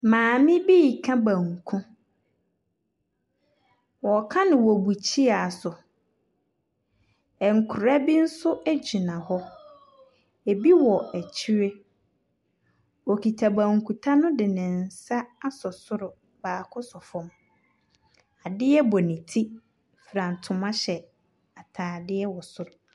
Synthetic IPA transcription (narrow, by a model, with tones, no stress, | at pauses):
mãː˨mɪ̃˦bi˦˨kʰã˦bã˨ŋ˨kʰũ˦ | wɔ˨kʰã˦nɪ̃˨wɔ˨bu˨t͡ɕʰi˦a˨sʊ˨ | ɛ˨ŋ̩˨kʰʊ˨ɾa˦bi˦n̩˦sʊ˦ʔæ˦d͡ʑi˨nã˨hɔ˦ | e˨bi˦wɔ˨æ˨t͡ɕʰi˦ɾe˦ | ɔ˨kʰi˨tʰa˨bã˨ŋ˨kʰu˨tʰa˦nʊ̃˦dɪ˨nɪ̃˨n˨sa˦a˦sɔ˨sʊ˦ɾʊ˨ | baː˨kʰʊ˦sɔ˨fɔ̃˨m | a˨dɪ˦ɛ˦bɔ˨nĩ˨tʰi˦ | fɾã˨n̩˨tʰʊ̃˨mã˦ɕɛ˨ | a˨tʰaː˨dɪ˦ɛ˦wɔ˨sʊ˦ɾʊ˨